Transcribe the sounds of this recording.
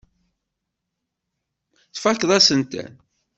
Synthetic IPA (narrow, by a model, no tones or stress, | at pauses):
θfækːðˤæsənt̪æ̰n